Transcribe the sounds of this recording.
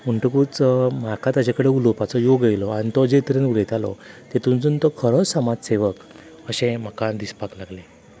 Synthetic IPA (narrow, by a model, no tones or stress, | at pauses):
məɳʈəkut͡sm̤akãt̪ad͡ʑakəɽeulopat͡sɔjoɡajlɔaɽ̃it̪ɔd͡zet̪ɾenulet̪alɔ̰t̪et̪ũnd͡zunt̪ɔkʰəɾɔsəmad͡zseʋək | əɕẽm̤əkãd̪ispaklaɡle